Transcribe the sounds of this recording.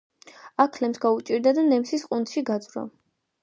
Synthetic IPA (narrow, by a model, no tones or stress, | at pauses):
akʰlɛmsɡaut͡ʃʼiɾd̪ad̪anɛmsisqʼunt̪ʃiɡad̪zvɾɔ̰